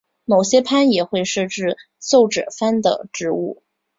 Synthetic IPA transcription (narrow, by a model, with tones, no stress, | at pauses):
mo˨˩ʊɕjɛ˥pʰa˥njɛ˨˩xwe˥˧ɪʂɤ˥˧ʈ͡ʂɻ̩˥˧ | so˥˩ʊʈ͡ʂɻɤ̰˨˩fa˥nd̪ə̰˨ʈ͡ʂɻ̩˥˧˥ṵ˥˩